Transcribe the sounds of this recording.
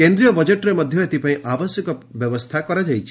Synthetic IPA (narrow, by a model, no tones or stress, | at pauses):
end̪ɾijɔbɔd͡ʒeʈɔɾemɔd̪ʱjɔet̪ipaĩʔabɔsjɔkɔbjɔbɔst̪ʰakɔɾad͡ʒajt͡ʃʰi